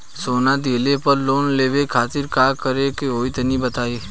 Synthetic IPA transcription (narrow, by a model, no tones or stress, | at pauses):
soːnad̪eːlepəɾloːnleːʋekʰaːt̪ɪɾkaːkəɾekeɦoːit̪ɐnibɐt̪aːeː